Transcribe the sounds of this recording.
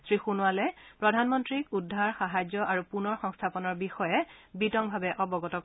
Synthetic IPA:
sɹixunʊalɛpɹɔdʱanmɔntɹikudʱːaɹxaɦad͡ʑɔʔaɹupunɔɹxɔŋstʰapɔnɔɹbixɔjɛbitɔŋbʱabɛʔɔbɔɡɔtɔ

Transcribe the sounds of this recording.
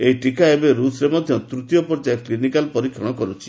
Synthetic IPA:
eɦiʈikaebeɾusɾemɔd̪ʱjɔt̪ɾut̪jɔpɔɾd͡ʒaklinikalpɔɾikʰːɔ̰ɽ̃ɔkɔɾut͡ʃʰi̥

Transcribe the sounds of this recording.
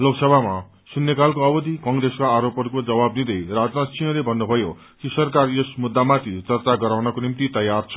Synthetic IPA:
loksʌbʱama | sunːekalkoʌbʌd̪ʱikʌŋɡreskaːɾopʌɾukod͡zʌbabnid̪ʌjrad͡znat͡sʰijʌ̃lebʱʌnːubʱʌjo | kisʌrkarjesmud̪ːamat̪ʰit͡sʌrt͡saɡʌɾawnʌkonimt̪it̪ʌjart͡sʰʌ̥

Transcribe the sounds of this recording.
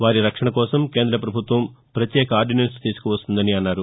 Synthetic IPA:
ʋaːɾiɾɐkʂɐɳɐkɔːsɐmke̞ːnd̪ɾɐpɾɐbʱut̪ʋɐmpɾɐt̪jɛːkɐaːɾɖinenst̪iːsu̥kuʋɐst̪und̪ɐniɐnːaːɾu

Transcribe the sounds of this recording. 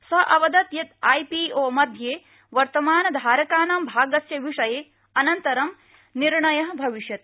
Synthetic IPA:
sɐʔɐʋɐd̪ɐt̪jɐt̪ajpiːoːmɐd̪ʱjeː | ʋɐɾt̪ɐmaːnɐd̪ʱaːɾɐkaːnɐmbʱaːɡɐsjɐʋiʂɐjeː | ɐnɐnt̪ɐɾɐm | niɾɳɐjɐɦbʱɐʋiʃjɐt̪̚

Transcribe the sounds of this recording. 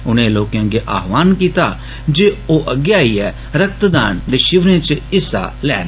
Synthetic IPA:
ʊnẽːloːkjãːɡeʔa̰ːɦʋaːnkiːt̪aː | d͡ʒeːoːʔəɡjaːiːɛː | ɾək̚t̪d̪a̰ːnd̪eːʃɪʋɾẽːt͡ʃɪsa̰lɛ̰ːn

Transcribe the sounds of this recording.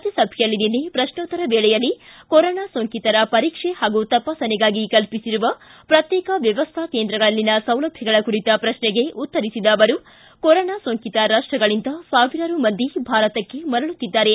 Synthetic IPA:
t̪isɐbʱjjɐlːininːepɾɐʃnoːt̪ːɐɾɐbeːɭɛjɐlːikoɾoːnaːsoŋkit̪ɐɾɐpɐɾiːkʂehaːɡut̪ɐpaːsɐniɡaːɡikɐlpisiɾuʋɐpɾɐt̪jɛːkɐʋjɐʋɐst̪ʰakeːnd̪ɾɐɡɐɭɐlːinɐsɐ̃wlɐbʱjɐɡɐɭɐkuɾit̪ɐpɾɐʃnɛɡe̞ʔut̪ːɐɾisid̪ɐːʋɐɾu | koɾoːnaːsoŋkit̪ɐɾaːʂʈɾɐɡɐɭind̪ɐsaːʋiɾɐɾumɐnd̪ʱibʱaːɾɐt̪ɐkːe̞mɐɾɐɭut̪ːid̪ːaːɾe̞

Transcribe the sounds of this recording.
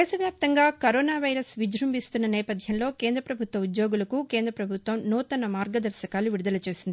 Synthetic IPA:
ɛːsɐʋjaːp̚t̪ɐŋɡaːkɐɾoːnaːʋɐjɾɐsʋid͡ʒɾɐmbist̪unːɐnɛːpɐd̪ʱjɐmlo̞ːkeːnd̪ɾɐpɾɐbʱut̪ʋɐud̪jo̞ːɡulɐkukeːnd̪ɾɐpɾɐbʱut̪ʋɐmnuːt̪ɐnːɐmaːɾɡɐd̪ɐɾʃɐkaːluʋiɽud̪ɐlɐt͡ʃe̞ːsind̪i

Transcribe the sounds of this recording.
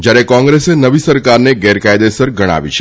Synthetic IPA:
d͡ʒjaɾekɔ̃ŋɡɾesenəʋisəɾkaɾneɡɛɾkajd̪esəɾɡʱəɽ̃a̰ʋḭt͡ʃʰ

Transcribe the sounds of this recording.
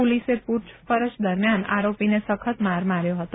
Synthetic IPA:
oliseput͡ʃʰpəɾət͡ʃd̪əɾmjana̰ɾopinesəkʰət̪maɾmaɾjoɦət̪o

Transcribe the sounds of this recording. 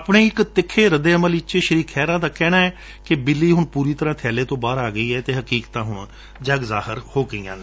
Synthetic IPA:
pɳeːɪkt̪ɪkʰːeːɾəd̪eːəməlɪt͡ʃeʃəɾiːkʰːɛːɾãːd̪aːkɛːnaːɛː | kɪbɪlːiːɦʊɳpuːɾiːt̪əɾãːt̪ʰɛːleːt̪õːbaːɾaːɡəiːɛːt̪eːɦəkiːkt̪ãːɦʊɳ | d͡ʒəɡzaːhəɾhoːɡəiːã̰ː

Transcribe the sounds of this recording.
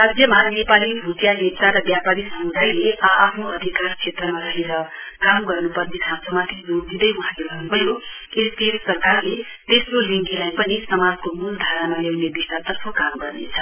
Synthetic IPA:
rad͡zjʌmanepaliɦut̪jaɦet͡saɾʌbjapaɾisʌmud̪aileːpʰnoʌd̪ʱikart͡sʰet̪rʌmaɾʌɦeɾʌkamɡʌrnupʌrnesʰasʌmat̪ʰid͡zoɡd̪id̪ʌjwuɦãlebʱʌnubʱʌjo | est̪et̪sʌrkarle | t̪esroliŋkilajpʌnisʌmad͡zkomuld̪ʱaɾnamalewnebist̪at̪ʌrpʰʌkamɡʌrnet͡sʰʌ

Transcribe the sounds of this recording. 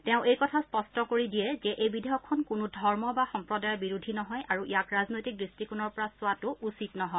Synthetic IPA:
tɛʊ̃ʔejkɔtʰaspɔstɔkoɹidijɛzɛʔejbidʱeɦɔkʰːɔnkʊnudʱɔɹmɔbaxɔmpɹɔdajɔbiɹudʱinɔɦɔjʔaɹuʔijakɹaznojtik̚dɹistikunɔɹpɔɹasʊwatʊʔusitnɔɦɔj

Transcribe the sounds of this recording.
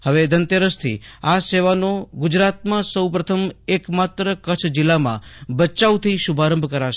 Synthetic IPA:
həʋed̪ənt̪eɾəst̪ʰḭaseʋanoɡʊd͡ʒɾat̪̚mãsəwpɾət̪ʰəmekmat̪ɾəkət͡ʃʰd͡ʒɪlːamã̰bət͡ʃaut̪ʰiʃubʱaɾə̃mbʱkəɾaʃe

